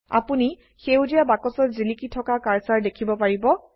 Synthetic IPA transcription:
a̰puni | xewdijabakɔsɔtzilikitʰɔkakaɹsaɹdekʰibɔpaɹibɔ

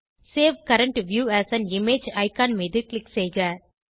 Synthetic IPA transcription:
seːʋkɐɾə̃ɳʈʋjuːæsæ̃nɪmeːd͡ʒɐɪkãːnmid̪ɨklɪksɛɪɡɐ

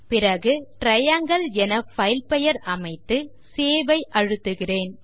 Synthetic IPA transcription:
pɪrɐɣɯʈɾɐjɐŋɡɐɭɛnɐfɐɪɪlpɛjɐɾɐmɐɪt̪ːɯ | seːʋɐɪʔɐɻɯt̪ːɯɣɪreːn

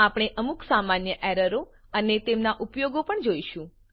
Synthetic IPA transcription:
apɽ̃eʔəmuksamanjəʔɛɾəɾoənet̪emnaʔupjoɡopəɳd͡ʒoiʃũ

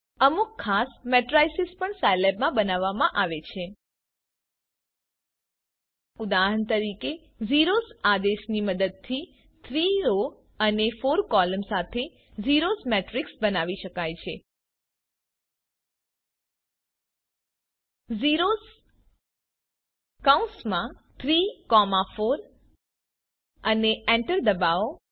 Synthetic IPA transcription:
əmukʰːasmɛʈɾajsɪspəɳsajlɛbmãbənaʋːamãʔaʋet͡ʃʰe | ʊd̪aɦəɳt̪əɾike | ziɾosad̪eʃniməd̪əd̪̚t̪ʰi | t̪ʰɾiɾo | ənefoɾkɔləmsat̪ʰe | ziɾosmɛʈɾiksbənaʋiʃəkajt͡ʃʰe | ziɾos | kaũsmã | t̪ʰɾikɔmafoɾ | əneɛ̃ɳʈəɾd̪əbao

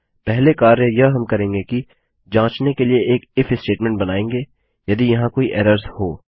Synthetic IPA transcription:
pɛɦlekaːɾejɐɦɐmkɐɾẽːŋɡeki | d͡ʒãːt͡ʃnekelieeːkɪfɪsʈeːʈmɛ̃ɳʈ̚bɐnaːẽːŋɡeː | jɐd̪ijɐɦãkoːiʔɛːɾəɾzhoː

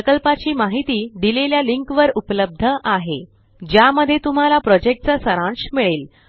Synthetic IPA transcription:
əkəlpat͡ɕiːmaɦit̪iːd̪ileljaliŋkʋəɾupləb̚d̪ʱəʔaɦe | d͡ʑjaməd̪ʱːjet̪um̤alapɾɔd͡ʑek̚ʈ̚t͡sasəɾãɳɕmiɭeːl

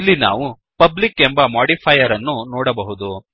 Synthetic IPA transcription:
ilːina̰ːʋu | pɐblikːembɐmaːɽipʰɐjɐɾɐnːunɔːɽɐbɐɦud̪u

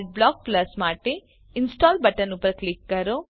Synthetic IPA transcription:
ɖ̚blaːk̚plɐsmaːʈi | insʈaːlbɐʈɐnupɾɐklikːɐɾo

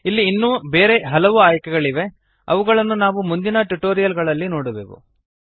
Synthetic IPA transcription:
ilːiːnːuːbeːɾe̞ɦɐlɐʋuaːjkɛɡɐɭiʋe̞ | ɐ̰ʋuɡɐɭɐnːunaːʋumund̪inɐʈuʈoːɾijɐlɡɐɭɐlːino̞ːɽubḛːʋṵ

